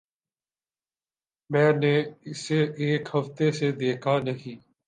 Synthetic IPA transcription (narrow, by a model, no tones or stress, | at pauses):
mɛ̃ːneːɪseːʔeːkhəft̪eːseːd̪eːkʰaːnəɦĩː